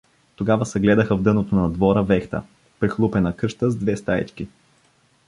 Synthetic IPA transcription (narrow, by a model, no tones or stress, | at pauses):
t̪oɡavəsɛɡlɛd̪əxəvd̪ɤnot̪onɐd̪vɔɾəvɛxt̪ə̰ | pɾixlˠupɛnɐkɤʃt̪əzd̪vɛst̪aḭt͡ʃk̟i